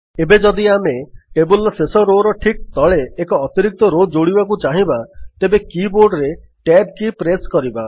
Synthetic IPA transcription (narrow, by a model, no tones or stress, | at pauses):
ebed͡ʒɔd̪iameʈebulsesɔɾoɾɔʈʰik̚t̪ɔɭeːkɔːt̪iɾik̚t̪ɔɾod͡ʒoɽibak̬ut͡ʃaɦĩbat̪ebekiboɾɖɾe | ʈeɖkipɾeskɔɾiba